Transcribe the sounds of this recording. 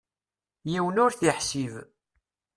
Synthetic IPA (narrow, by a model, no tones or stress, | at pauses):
jiwənʊɾθiħsiv